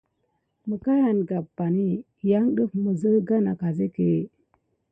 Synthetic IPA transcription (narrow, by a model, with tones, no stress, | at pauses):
mə˨ka˦ja˨nɡa˨ba˨ni˦ | ja˦ŋɗə˦fmə˨zə˦ɡa˦na˨ka˨ze˦ke˨˦˨